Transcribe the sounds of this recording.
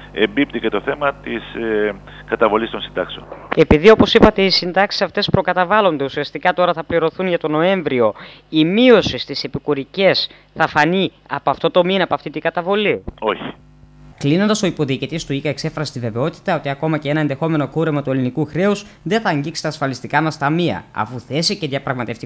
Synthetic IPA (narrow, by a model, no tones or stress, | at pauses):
embipt̪icet̪o̞θe̞mɐt̪is | kɐt̪ɐvo̞list̪o̞nsind̪ɐkseone̞piðio̞po̞sipɐt̪e̞isind̪ɐksi̥sɐft̪e̞spɾo̞kɐt̪ɐvɐlo̞nd̪e̞usiɐst̪ikɐt̪o̞ɾɐθɐpliɾo̞θunʝɐt̪o̞no̞e̞ɱvɾio̞imio̞sist̪ise̞pikuɾice̞s | θɐfɐni | ɐ̰poɐft̪o̞t̪o̞minɐpoɐft̪it̪iɡɐt̪ɐvo̞lio̞çi̥ | klino̞nd̪ɐso̞ipo̞ðiːcit̪ist̪uikɐekse̞fɾɐset̪ive̞ve̞o̞t̪i̥t̪ɐo̞t̪iɐko̞mɐcee̞nɐend̪e̞xo̞me̞no̞kuɾe̞mɐt̪ue̞linikuxɾe̞usðe̞θɐːɲɟiksi̥t̪ɐːsfɐlist̪ikɐmɐst̪ɐmiɐ̰ɐ̰fuθe̞sice̞ðʝɐpɾɐɣmɐt̪eft̪i